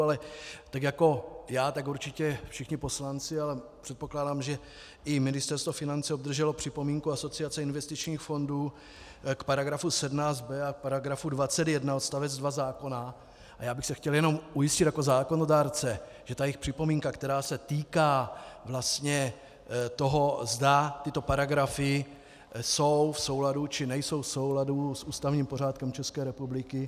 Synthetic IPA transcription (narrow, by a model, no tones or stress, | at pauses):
alɛt̪akjako̞jaːt̪akuɾt͡ʃɪcɛfʃɪxɲɪpo̞slant͡sɪalɛpr̥ɛt̪̚po̞klaːdaːmʒɛ | ɪmɪnɪst̪ɛɾst̪vofɪnant͡sɛobd̪r̩ʒɛlo̞pr̥ɪpo̞miːŋkuaso̞t͡sɪat͡sɛɪnvɛst̪ɪt͡ʃɲiːxfo̞nduː | kpaɾaɡɾafusɛdmnaːt͡sd̪̚bɛak̚paɾaɡɾafudvat͡sɛt̪jɛdnao̞t̪st̪avɛd͡zdvazaːko̞na | ʔajaːbɪxsɛxcɛljɛno̞mʔujɪscɪt̪jako̞zaːko̞no̞daːɾt͡sɛ | ʒ̥ɛt̪ajɛxpr̥ɪpo̞miːŋkakt̪ɛɾaːsɛt̪iːkaːvlast̪ɲɛ | t̪o̞ɦo̞zdat̪ɪt̪o̞paɾaɡɾafɪ | so̞wfso̞wladut͡ʃɪnɛjso̞wfso̞wladusʔuːst̪avɲiːmpo̞r̝aːt̪kɛmt͡ʃɛskɛːɾɛpublɪkɪ